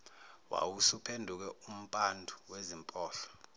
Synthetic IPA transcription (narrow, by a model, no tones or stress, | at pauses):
wa̰wusupʰendʱuk̬ɛum̩pʼandʱuwezimpʼɔːɬɔ̥